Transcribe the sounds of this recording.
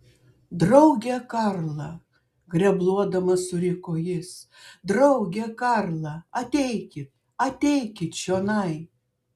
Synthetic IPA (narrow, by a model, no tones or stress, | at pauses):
d̪ɾɐʊɡʲɛkɐɾlˠɐ | ɡɾʲɛblˠuɔd̪ɐmɐsʊɾʲɪkoːjɪs | d̪ɾɐʊɡʲɛkɐɾlˠɐɐt̪ʲɛɪkʲɪt̪̚ | ɐt̪ʲɛɪkʲɪt̪ʃʲoːnɐɪ